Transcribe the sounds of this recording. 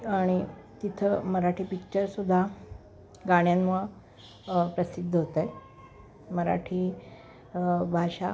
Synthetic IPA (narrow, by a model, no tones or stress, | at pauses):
aɽ̃it̪it̪ʰəməɾaʈʰiːpik̚t͡ɕəɾsud̪ʱːa | ɡaɽ̃janmə | pɾəsid̪ʱːəɦot̪aj | məɾa̰ʈʰi | bʱaɕa